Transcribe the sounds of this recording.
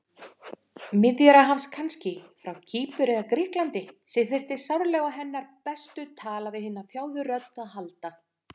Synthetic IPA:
mɪðjɛɾaɦafskʰanscɪfɾawcʰiːpʏɾɪðakɾɪhklant̪ɪsɪθɪr̥t̪ɪsawɾlɛɣaɦɛnːaɾpɛst̪ʏt̪ʰaːlavɪhɪnːaθjaːwðʏrœt̪naɦalt̪a

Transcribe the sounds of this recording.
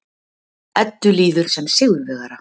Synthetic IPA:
ɛt̪ːʏliːðʏɾ̥sɛmsɪɣðʏvɛɣaɾa

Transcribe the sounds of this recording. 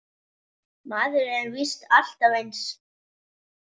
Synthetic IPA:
maːðʏɾɛɾvist̪al̥t̪avejns

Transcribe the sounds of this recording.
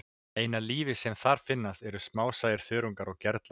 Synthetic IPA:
eːjnaliːvɪsɛmθaɾ̥fɪnːast̪ɛɾʏsmaːwsaːjɪɾ̥fœːɾuŋkaɾɔɣcɛɾt̪l

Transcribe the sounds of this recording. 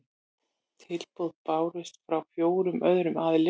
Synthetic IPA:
t̪ʰɪlpowðpaːwɾʏst̪fɾawfjoːwɾʏmʔœðɾʏmaːðɪlɪ

